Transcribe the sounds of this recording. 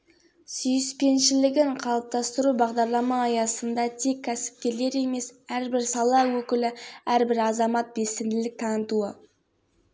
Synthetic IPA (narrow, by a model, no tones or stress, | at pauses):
syjɪspe̞nʃɪlɪɡʲɪɴqʰɑlˠəp̚t̪ɑst̪əɾubɑʁd̪ɑɾlˠɑmɑːjɑsənd̪ɑt̪ʰe̞kʲʰːæsɪ̥p̚kʲe̞le̞ɾe̞me̞sæɾbɪɾsɑlˠɑwɵkʲɪlɪæɾbɪɾɑzɑmɑt̪̚be̞sɪnd̪ɪlɪk̚t̪ʰɑnət̪uə